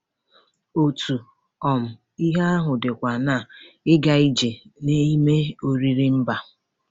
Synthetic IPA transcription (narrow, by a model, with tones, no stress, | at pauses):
o˨tʰu˨ | ɔ˨m̩˨ | i˦ɦa˦a˦ɦʊ˨dɪ˨kʷa˨na˦˨ | ɪ˦ɡa˨i˦d͡ʒe˨ne˦i˦me˦o˨ɾi˦ɾi˦m̩˦ba˨